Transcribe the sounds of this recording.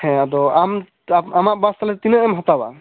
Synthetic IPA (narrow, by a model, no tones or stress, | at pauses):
ɛ̃adɔam | amaʔbast̪alɛt̪inəʔɛmɦɔt̪aba̰